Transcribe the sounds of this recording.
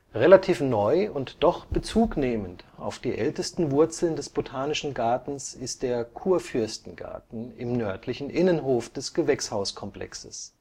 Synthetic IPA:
ʁelatʰiːfnɔʏʊntd̥ɔχb̥ət͡suːkneːmənta̰ʊfd̥iːʔɛltəstn̩vʊɐt͡sl̩ndɛsb̥otʰaːnɪʃn̩ɡaɐtn̩sɪst̚d̥eːɐkʰuːɐfʏɐstn̩ɡa̰ɐtn̩ɪmnœɐtʰlɪçn̩ʔɪnənɦoːfd̥ɛsɡ̥əvɛkshaʊskʰɔmplɛ̰ksəs

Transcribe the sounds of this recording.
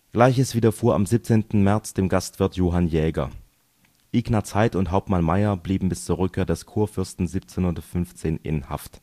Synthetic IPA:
ɡ̥laɪçəsv̥iːdɐfuːɐa̰mziːp̚t͡seːntn̩mɛɐt͡sd̥eːmɡastv̥ɪɐtʰjoːɦanjɛːɡɐ̰ | ʔiːɡnat͡saɪtʊntɦaʊp̚tmanmaɪɐbliːbm̩bɪst͡suːɐʁ̞ʏkʰːeːɐdɛskʰuːɐfʏɐstn̩ziːp̚t͡senhundɐfʏnft͡seːnɪ̰nha̰ft

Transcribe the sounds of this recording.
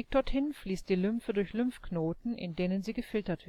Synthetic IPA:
k̚d̥ɔɐthɪnfliːst̚d̥iːlʏmfədʊɐçlʏmfknoːtn̩ʔɪ̰ndeːnənziːɡəfɪltɐtv̥

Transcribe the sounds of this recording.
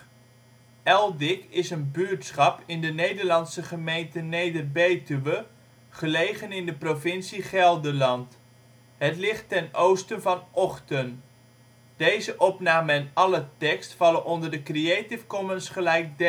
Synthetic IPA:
ɛlˠdɪkɪsənbyɹtsχɑpɪndənejdəɹlɑnsəχəmejntənejdərbejtyʋə | χəlejχənɪndəprovɪnsiχɛlˠdəlɑnt | ɦətlɪχtːɛnowstənvɑnɔχtən | d̥ejzəʔɔpnaːməɛnɑlətɛkstfɑləʔɔndərdəkrieːtɪfkɔmənsχəlɛjk̚d

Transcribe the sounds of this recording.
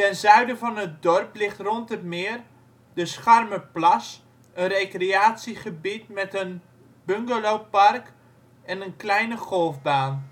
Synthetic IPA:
tɛnzœɥdəvɑnət̚dɔrplɪχtrɔntətmɪːr | dəsχarməplɑs | ənrejkreaːtsiχəbitmɛtən | b̥øŋɡəlowpark | ɛnənklɛjnəχɔlˠfbaːn

